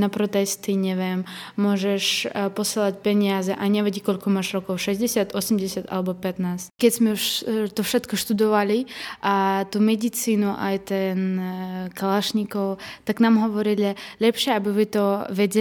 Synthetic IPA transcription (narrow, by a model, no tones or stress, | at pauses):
napɾɔt̪ɛst̪iɲɛvɛm | mɔʒɛʃpɔsɛlˠacpɛɲiazɛʔaɲɛvɛɟʲikɔlʲkɔmaːʃɾɔkɔwʃɛzɟɛsjat̪ʔɔsɛmɟɛsjat̪a̰lɛbɔpɛt̪naːsckɛcsmɛuʃt̪ɔfʃɛt̪kɔʃt̪ud̪ɔʋaliʔat̪umɛd̪it͡siːnuʔa̰jt̪ɛnkalaʃɲikɔwt̪aknaːmɦɔʋɔɾilʲɛlɛpʃɪɛabiʋɪt̪ɔvɛɟɛ